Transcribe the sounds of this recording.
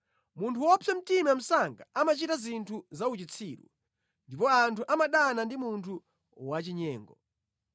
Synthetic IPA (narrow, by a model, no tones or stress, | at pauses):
muntʰuwɔpʰɛm̩timam̩saŋɡaamat͡ʃitazintʰuzaut͡ʃit͡sʰiːɗṵ | ndipɔantʰuʔamaɗanandimuntʰu | wat͡ʃiɲɛ̰ːŋɡɔ